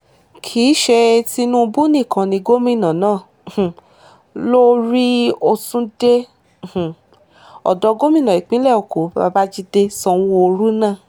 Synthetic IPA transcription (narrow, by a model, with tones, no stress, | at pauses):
kʰiː˨˦ʃe˧ti˧nũ˦˧bu˦nĩ˦˨kã˨nĩ˧ɡo˦mĩ˦˨nã˨nãː˦˨ | lo˦ɾi˦o˧sũ˦dẽ˦˨ | ɔ̰˨dɔ˧˦ɡo˦mĩ˦˨nã˨i˨k͡pĩ˦lɛ˦˨o˨ko˨ba̰˨˧ba˦d͡ʒi˦de˧sɔ̃˧˦˧o˧ɾu˦nãː˦˨